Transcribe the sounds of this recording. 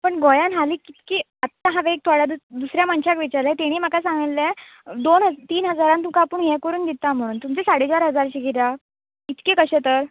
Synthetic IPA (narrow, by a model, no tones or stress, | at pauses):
pəɳɡojãnɦaliːkit̪kiː | ət̪ːaɦãʋek̚t̪ʰoɽjad̪ud̪usɾjaməɳɕakʋit͡ɕaɾlat̪eɽ̃iːm̤əkasãŋɡilːe | d̪onɦət̪iːnɦəd͡zaɾant̪umkapuɳjɛkəɾuːnd̪it̪am̤əɽ̃uːnt̪umt͡sesaɽet͡ɕaɾɦəd͡zaɾɕikiɾja | it̪kekəɕẽt̪əɾ